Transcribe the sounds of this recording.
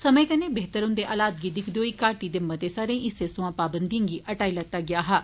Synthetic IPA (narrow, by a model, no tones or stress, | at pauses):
sɐməit̪ɐnẽbeɦt̪əɾʊ̃nd̪eʔaːlaːd̪ɡid̪ɪkʰd̪joːikaːʈid̪ɪmːət̪esaːɾẽʔɪsesʊ̃ãpaːbə̃nd̪ijãːŋɡiʔɐʈaːilɐt̪ːaɡɪjaːɦaː